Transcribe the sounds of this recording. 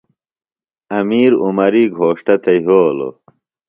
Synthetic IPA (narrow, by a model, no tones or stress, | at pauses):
ɐmiːɾṵmɐɾiːɡʱoːʂʈɐt̪ɐjɦoːlo̰